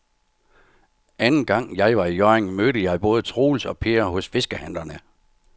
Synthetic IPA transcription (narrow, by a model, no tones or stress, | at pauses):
ʔænn̩ɡ̥ɑ̈ŋ̰jɑ̈ɪʋɑ̈ijɒeŋmøːɾəjɑ̈ɪb̥ɔ̽ːð̞̩ˠət͡sʰʁo̝̰ːlsɒ̽pʰe̝ɐɦɔ̽sfe̝sɡ̥əhæn̰d̥ɐnə